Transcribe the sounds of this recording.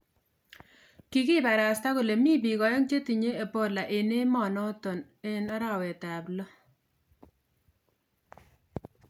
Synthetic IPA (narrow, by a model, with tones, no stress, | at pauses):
ki˦kɪ˦ba˨ɾa˨sta˦ko˨le˨mi˦bi˨ɣɔ˨jɔ˦ŋt͡ʃe˦ti˨ɲe˦e˨po˦la˨ʔe˨ne˦mɔ˨nɔ˦to˨n | e˦na˦ɾa˦˨wɛ˨ta˨blɔ˦